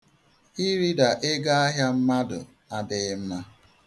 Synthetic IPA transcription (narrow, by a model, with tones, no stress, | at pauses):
i˦ɾi˦da˨ʔe˦ɡa˦a˦ɦja˦m̩˦ma˦dʊ̰˨ | a˨dɪ˨˦m̩˦na˦